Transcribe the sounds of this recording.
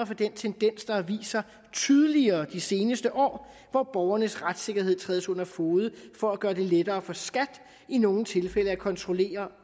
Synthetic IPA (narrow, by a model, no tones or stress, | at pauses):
ɐfɒ̽d̥ent͡sʰend̥en̰sd̥ɑ̈ʋḭːsɐ | t͡sʰyð̞ˠəliɐːd̥ise̝ːnəsd̥əʔɒ̰ː | ʋɒb̥ɒʊɐnəsʁad̥se̝ɡ̥ɐɦe̝ð̰ˠt͡sʰʁɛ̰ːðˠsɔ̽n̰ɐfoːðˠəfɒ̽æɡ̥ɶːɐd̥e̝led̥ɐːfɒ̽sɡ̥æd̥ | ino̝ŋn̩t͡sʰe̝lfeləækʰɒ̽nt͡sʰʁo̝le̝̰ːɐ